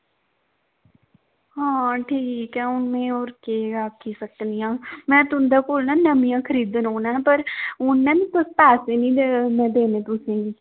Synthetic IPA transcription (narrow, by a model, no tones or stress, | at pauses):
hãːʈʰiːkɛ̃ːʊnːẽːoːɾkeːaːkʰːiːsəknijãːmɛ̃ːt̪ʊnd̪aːkoːlnãːnəmijãːkʰəɾiːd̪ənɦoːnãːpəɾʊnːɛ̃ːnĩːt̪əst̪aːseːnĩːd̪mɛ̃ːd̪eːnẽːt̪ʊsẽːɡiː